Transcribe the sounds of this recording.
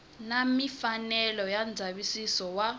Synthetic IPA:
namifanɛlɔjand͡zʱaβisisɔwa

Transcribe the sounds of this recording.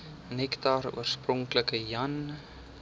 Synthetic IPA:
nɛktɑrṵərsprɔŋkləkəjɐn

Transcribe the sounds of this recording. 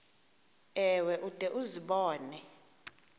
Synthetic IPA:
ɛwɛʔud̥ʱʼɛʔuziɓɔːnɛ

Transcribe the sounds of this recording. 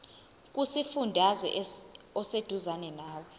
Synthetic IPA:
k̬ʼusifundʱazɛ̰ʔɔsed̥ʱuzanɛnaːwɔ

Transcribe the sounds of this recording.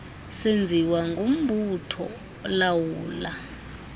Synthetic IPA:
send͡zʱiwaŋɡom̩butʰɔ̰ | lawuːla

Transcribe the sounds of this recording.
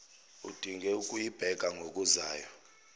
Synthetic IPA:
ṵd̥ʱiŋɡʱɛukʼujib̥ʱɛɡ̥ʱaŋɡʱok̬ʼuzaːjɔ

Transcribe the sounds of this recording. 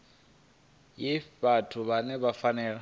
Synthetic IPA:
jɪbatʰʊβanɛbafanɛːla

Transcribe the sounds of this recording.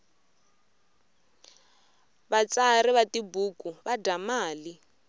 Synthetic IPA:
βat͡sariβatibuːkʼuβadamaːli

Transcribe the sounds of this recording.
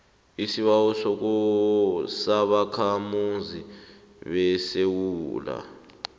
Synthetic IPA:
isiɓawɔsɔk̬u | saɓakʰamunzʱi | ɓɛsewuːla̰

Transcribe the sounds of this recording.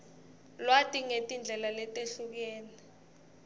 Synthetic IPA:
lwatʼiŋetʼind͡ɮʱɛlalɛtʼeɬuk̬ɛːni

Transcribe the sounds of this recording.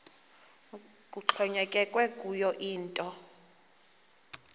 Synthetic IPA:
kʼuǁʰɔɲɛkʼɛkʼwɛkʼujɔʔiːntʼɔ

